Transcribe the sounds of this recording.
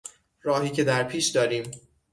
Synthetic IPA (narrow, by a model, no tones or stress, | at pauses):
ɾɒːɦiːcʰe̞d̪æɾpʰiːʃd̪ɒːɾiːm